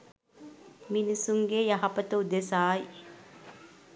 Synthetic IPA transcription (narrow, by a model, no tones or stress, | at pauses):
minisuŋɡejɐɦɐpɐt̪ɐud̪esaːj